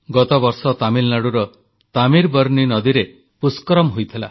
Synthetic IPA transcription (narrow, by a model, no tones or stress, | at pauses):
ɡɔt̪ɔbɔɾsɔt̪amilnaɽuɾɔ | t̪amiɾbɔɾninɔd̪iɾe | puskɔɾɔmɦojt̪ʰila̰